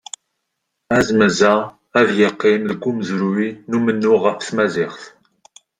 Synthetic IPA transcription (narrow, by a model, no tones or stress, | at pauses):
æzməzæ | æðjəqːiɪmðəɡʷːumzɾuinumənːʊʁəfθmæzɪχθ